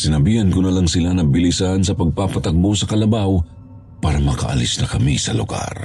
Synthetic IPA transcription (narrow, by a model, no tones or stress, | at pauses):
sɪnɐbihɐnkʊnɐlɐŋsɪlanɐbɪlisansɐpɐɡ̚papɐt̪ɐk̚bosɐkɐlɐbaw | paːɾɐmɐkɐ̰ʔɐ̰lisnɐkɐmisɐ̰lʊ̰ɡ̥a̰ɾ